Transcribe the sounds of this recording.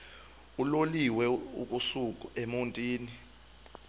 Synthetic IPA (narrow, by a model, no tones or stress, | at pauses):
uloliwɛṵk̬ʼusuk̬ʼuemuntʼiːni